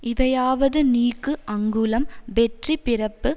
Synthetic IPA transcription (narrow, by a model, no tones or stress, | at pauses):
ʔɪʋɐjaːʋɐðɯniːkːɯʔɐŋɡɯlɐmbɛʈripɪrɐpːɯ